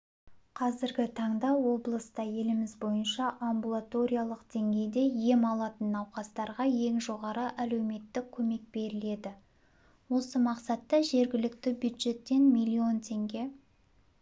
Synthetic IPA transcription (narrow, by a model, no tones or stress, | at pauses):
qʰɑzɪɾɡʲɪt̪ʰɑɴd̪ɑwo̞blˠəst̪ɑje̞lɪmɪzbo̞jənʃɑʔambulˠat̪o̞ɾʲijalˠəqd̪̥e̞ŋɡʲe̞jd̪e̞je̞mɑlˠɑt̪ənɑwqɑst̪ɑɾʁɑje̞ŋʒo̞ʁɑɾəʔæle̞wme̞t̪ːɪkʲʰːɵme̞k̚be̞ɾɪle̞d̪ɪ | wo̞səmɑqsɑt̪ːɑʒe̞ɾɡʲɪlɪk̚t̪ɪbjud̪ʒe̞t̪ːe̞nmilʲːio̞nt̪ʰe̞ŋɡʲe̞